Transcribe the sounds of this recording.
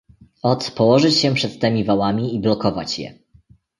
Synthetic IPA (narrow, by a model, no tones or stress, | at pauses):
ɔt̪pɔwɔʐɘt͡ɕɕɛpʂɛt̪ːɛmʲivawamʲiiblɔkɔva̰t͡ɕjɛ̰